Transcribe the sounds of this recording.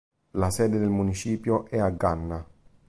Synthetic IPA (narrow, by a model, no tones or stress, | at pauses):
lasɛːd̪ed̪elmunit͡ʃiːpjoʔɛaɡːanːa